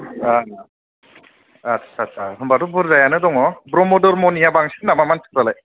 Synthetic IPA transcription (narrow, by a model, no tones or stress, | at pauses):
a | atsʰasʰaɦɯmbatɔbɯɾzajanɯdɔŋɔbɾɔmɔdɔɾmɔnijabaŋsinamamanskɾalaj